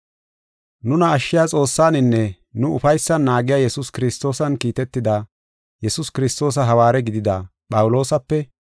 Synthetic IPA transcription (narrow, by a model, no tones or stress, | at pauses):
nʊnɐːʃːɪjat͡sʼo̞ːsːaːnɪnːɛ | nʊʊfɐjsːɐnːaːɡɪjajɛsʊskɪɾɪst̪o̞ːsɐnkiːt̪ɛt̪ːɪd̪ɐ | jɛsʊskɪɾɪst̪o̞ːs̬ɐɦɐwaːɾɛɡɪd̪ɪd̪ɐ̰ | pʼɐwʊlo̞ːsɐpːɛ